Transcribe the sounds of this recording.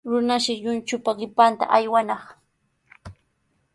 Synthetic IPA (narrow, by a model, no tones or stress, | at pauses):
ɾʊnaʃɪʎʊnt͡ʃʊpaɢɪpant̪a̰ʔajwanɑχ